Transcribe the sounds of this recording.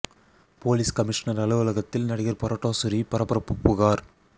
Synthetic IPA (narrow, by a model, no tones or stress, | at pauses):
poːliːskɐmɪʂɐnɐɾɐɭɯʋɯlɐɣɐt̪ːɪlnɐɽɪɣɐɾpɔɾɐʈːoːsʊɾipɐɾɐpːɐɾɐpːʊpːɯɣaːɾ